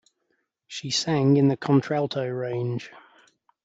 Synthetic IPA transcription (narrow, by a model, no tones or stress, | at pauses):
ʃisæ̃ŋɪ̃nðəkʰɒ̃ntʰɹ̥alˠtʰəʊɹẽɪ̃n̥ʒ̥